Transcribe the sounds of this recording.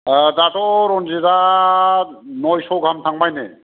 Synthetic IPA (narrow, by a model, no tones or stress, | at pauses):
datɔɾɔnzeda | nɔjsɔwɡʱamtʰaŋbajne